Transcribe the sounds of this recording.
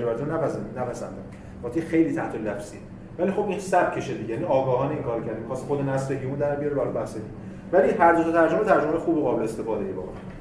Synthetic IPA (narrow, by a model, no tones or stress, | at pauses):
d͡ʒoæɾt̪ʰunæpænæpʰæsæ̰nd̪æm | ɒːt̪ʰejxe̞jliːt̪ʰæht̪ʰolæfsḭːe | vælixo̞bĩːnsæb̥cʰe̞ʃed̪iɟejæniɒːɡɒːɦɒːneiŋkʰɒːɾocʰæɾd̪imxɒːst̪ixod̪enæsleɦiund̪æɾbijɒɾevælɒbæhsei | væliɦæɾd̪ot̪ʰɒt̪ʰæɾd͡ʒomet̪ʰæɾd͡ʒomejexuːbiɣɒːbelest̪e̞fɒːd̪ejebɒ̰ɣɒ̰